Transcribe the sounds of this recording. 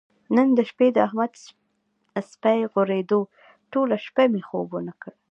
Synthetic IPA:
nənd̪əʃped̪əahmad̪ | spajɣʊɾed̪o | ʈolaʃpamexo̰bunakəɽ

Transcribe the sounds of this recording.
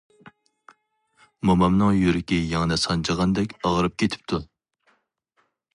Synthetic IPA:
momɑmnɨŋjyɾɪkʲijɑŋnɛsɑnt͡ʃʰəʁɑnd̪ɛkʲɑʁəɾɨp̚kʲʰet̪ʰɪ̥p̚t̪ʰu

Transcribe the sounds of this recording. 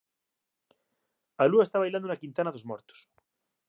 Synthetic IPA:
aluaest̪aβajland̪unakint̪anaðozmo̰ɾt̪o̥s

